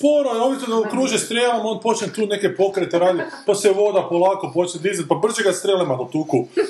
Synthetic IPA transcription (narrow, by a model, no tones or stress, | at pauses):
poɾoeobit̪od̪aokɾuːʒest̪ɾʲeːlamond̪̚po̞t͡ʃnʲet̪uːne̞kepo̞kɾet̪eɾaːd̪it̪paseʋod̪apolˠaːkopot͡ʃned̪izat̪̚pabr̩ʒeɡast̪ɾelimanot̪uːku